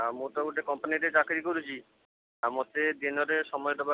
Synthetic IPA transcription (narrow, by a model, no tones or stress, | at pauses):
mot̪abuʈekɔmpaniʈet͡ɕakɾikoɾut͡ɕʰi | mot̪ed̪inɔɾeʃɔmɔjd̪ɔba